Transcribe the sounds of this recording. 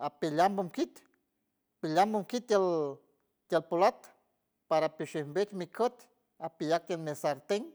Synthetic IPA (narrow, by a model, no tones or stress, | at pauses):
apilambomkit̪ | pilambomkit̪al | t̪jalpolat̪ | paɾapiʃehmbet̪mikʰət̪ | apijak̚t̪almesaɾt̪eŋ